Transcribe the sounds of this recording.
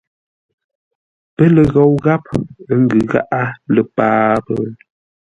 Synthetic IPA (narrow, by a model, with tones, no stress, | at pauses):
pə˦lə˨ɣo˨wɣa˦p̚ə˨ŋ̩˦ɡʉ˨ɣa̰˦ʔa˦lə˨paː˦pə̰˨˦